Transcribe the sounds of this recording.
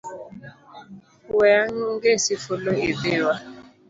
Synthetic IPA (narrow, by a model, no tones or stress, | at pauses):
weaŋ̩ŋ̩ɡesifʊloevewa